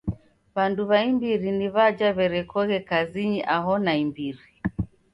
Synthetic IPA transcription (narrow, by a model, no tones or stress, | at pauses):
βanduβaimbiɾiniβad͡ʒaβɛɾɛkɔɣɛkaziɲiʔaɦɔnaimbiɾi